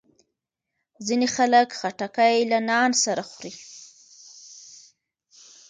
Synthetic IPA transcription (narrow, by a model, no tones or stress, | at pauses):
zinexaləkxaʈakajlanɑnsaɾaxɾi